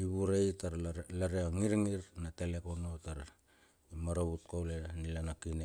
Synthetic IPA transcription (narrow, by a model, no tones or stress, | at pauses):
iβuɾejtaɾlaɾeaŋiɾŋiɾnatele̞kono̞taɾ | imaɾaβut̚kawlenilanakine